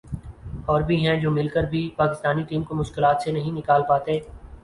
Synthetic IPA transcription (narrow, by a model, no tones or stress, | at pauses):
ɔːɾbʱiɦɛ̃d͡ʒoːmɪlkəɾbʱipaːkɪst̪aːniʈiːmkomʊʃkɪlaːt̪senɐɦĩnɪkaːlpaːt̪eː